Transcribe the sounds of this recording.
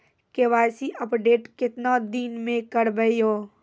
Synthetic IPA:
keʋaːsiʔəpɖeːʈkɪt̪nad̪iːnmẽkəɾbəijoː

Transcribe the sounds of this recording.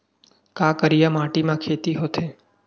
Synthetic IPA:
kakəɾijamãʈimãkʰet̪iɦot̪ʰe

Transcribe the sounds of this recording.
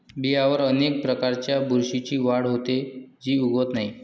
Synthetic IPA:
biɦaʋəɾənek̚pɾəkaɾt͡ɕjabʱuɾɕit͡ɕiːʋaɽɦot̪ed͡ʑiːuɡot̪naɦi

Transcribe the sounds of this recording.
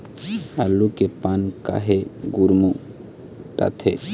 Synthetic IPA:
alːukepanka̰ɦeɡuɾmu | ʈa̰t̪ʰe

